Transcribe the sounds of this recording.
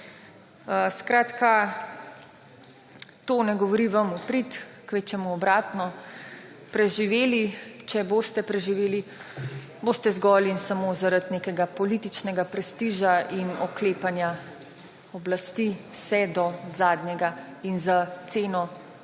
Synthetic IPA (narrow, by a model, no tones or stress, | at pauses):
əskɾaːt̪ka | t̪oːnɛɡɔʋɔɾiʋɐmupɾit̪kʋet͡ʃɛmuɔbɾaːt̪nɔ | pɾɛʒiʋeːlit͡ʃɛboːst̪ɛpɾɛʒiʋeːli | boːst̪ɛzɡɔːliinsamoːzaɾad̪nekɛɡapɔlit̪it͡ʃnɛɡapɾɛst̪iːʒainɔkleːpanja | ɔblast̪iwsɛd̪ɔzaːd̪ɲjɛɡainzat̪seːnɔ